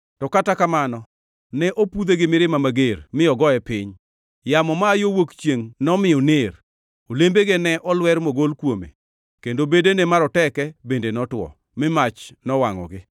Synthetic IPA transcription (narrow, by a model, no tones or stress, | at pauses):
tɔkatakamanɔ | nɛʔopud̪eɡɪmɪɾɪmamaɡermɪɔɡɔɛpɪɲ | jamɔmaːjowokt͡ʃjeŋnɔmɪjɔner | olembeɡenɛʔɔlwɛɾmoɡolkwomḛ | kendobedenemaɾɔtɛkɛbendenɔtwɔ̰ | mɪmat͡ʃnɔwaŋɔ̰ɡɪ